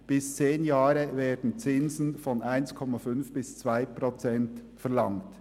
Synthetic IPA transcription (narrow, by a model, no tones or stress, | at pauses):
b̥ɪst͡seːnjaːɾəvɛːdn̩t͡sɪnzn̩fɔnaɪnskʰɔmafʏnfb̥ɪst͡sv̥aɪpʁot͡sɛntfɛɐlɑŋt